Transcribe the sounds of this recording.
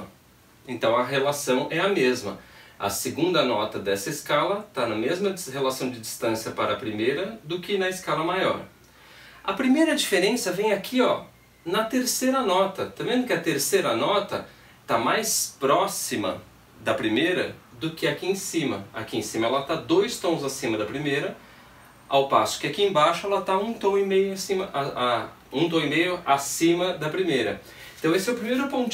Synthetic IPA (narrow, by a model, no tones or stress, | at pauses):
ẽnt̪ɐ̃w̃ɐɦelasɐ̃w̃ʔɛɐmezmɐ̰ɐ̰seɡũnd̪ɐnɔt̪ɐd̪ɛsɐeskalɐt̪anɐmezmɐhelasɐ̃w̃d͡ʒɪd͡ʒist̪ɐ̃siɐpaɾɐːpɾimejɾɐd̪ʊkɪnɐeskalɐmajɔ̰ɾ | ɐpɾimejɾɐd͡ʒifeɾẽsɐvẽj̃akʰiɔ̰ | nɐt̪eɾsejɾɐnɔt̪ɐt̪ɐmẽzmʊkɪɐt̪eɾsejɾɐnɔt̪ɐ | t̪amajspɾɔsimɐ̰ | d̪ɐpɾimejɾɐd̪ʊkɪakiẽsĩmɐa̰kiẽsĩmɐɛlɐt̪ad̪ojst̪õw̃zasĩmɐd̪ɐpɾimejɾɐ | a̰wpa̰sʊ̥kɪakiẽbaʃʊɛlɐt̪aũt̪õw̃imejʊasĩmɐʔaa | ũt̪õw̃imejʊasĩmɐd̪ɐpɾimejɾɐ̰̃ | t̪ɐ̃w̃esɛwpɾimejɾʊpõt͡ʃ